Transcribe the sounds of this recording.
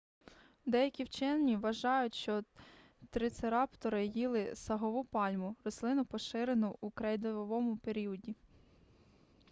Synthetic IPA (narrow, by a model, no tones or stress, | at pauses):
d̪ɛjɐkʲiwt͡ʃɛnnʲiʋɐʒɑjʊtʲʃt͡ʃɔ | t̪ɾɪt̪seɾɑpt̪ɔɾɪjilˠɪsɐɦɔʋupɑlʲmʊrɔslˠɪnʊpɔʃɪɾenʊʔukɾɛjd̪ɔʋɔʋɔmʊpeɾʲijɔdʲi